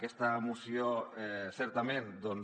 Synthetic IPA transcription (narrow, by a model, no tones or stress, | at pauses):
kest̪amusjoɛsɛɾt̪amẽnd̪on